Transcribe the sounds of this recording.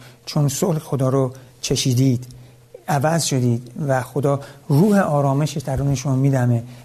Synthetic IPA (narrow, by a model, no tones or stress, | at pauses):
t͡ʃʰonsolxo̞d̪ɒːɾot͡ʃʰe̞ʃiːd̪iːd̪̥ | ævæzʃo̞d̪iːd̪væxo̞d̪ɒːɾuːheʔɒːɾɒːmeʃeʃd̪æɾuːneʃomiːd̪æme